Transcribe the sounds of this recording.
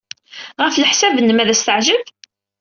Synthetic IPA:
ʁəflħsævənːəmæðæst̪əʕʒəv

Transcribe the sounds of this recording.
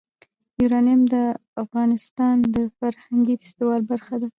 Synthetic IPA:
juɾɑnijmd̪əafɣɑnɪst̪ɑnd̪əfaɾhaŋɡifɪ̥st̪iwɑlbaɾxad̪a

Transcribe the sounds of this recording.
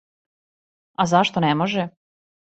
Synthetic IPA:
azaʃt̪onɛmoʒɛ

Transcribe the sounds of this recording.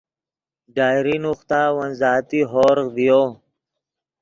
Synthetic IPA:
ɖaːjɾinuxt̪aːwɐnzaːt̪iɦoːɾqd̪ijoː

